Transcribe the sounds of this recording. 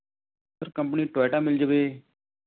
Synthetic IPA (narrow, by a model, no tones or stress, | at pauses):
səɾkə̃mpniːʈaːʈãːmɪld͡ʒəʋeː